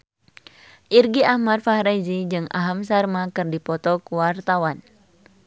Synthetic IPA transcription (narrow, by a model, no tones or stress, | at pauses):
ʔirɡiahmarfahɾazid͡ʒɨŋa̰ɦamsarmakɨrdipɔt̪ɔkuwart̪awan